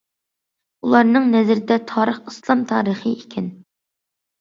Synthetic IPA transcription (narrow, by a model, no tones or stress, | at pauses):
ulˠɑɾnɨŋnɛzɾɪd̪ɛt̪ʰɑːɾəχɨslˠɑmt̪ʰɑ̰ːɾəχəikʲʰɛn